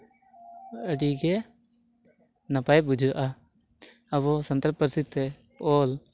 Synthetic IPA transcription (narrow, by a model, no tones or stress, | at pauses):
əɖiɡɛ | napajbud͡ʒʱuʔa | əbɔsənt̪ɾəpəɾsit̪ːɛ | pɔl